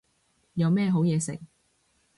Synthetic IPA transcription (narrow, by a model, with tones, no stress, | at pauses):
jɐ˨˧wmɛː˥˧ɦo˨˥wjɛː˨˧sɪ̰˨˩k̚